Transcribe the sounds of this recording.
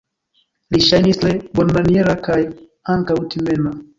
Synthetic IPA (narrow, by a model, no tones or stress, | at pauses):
liʃajnislɛbɔnmaniɛɾakaj | aŋkautimɛna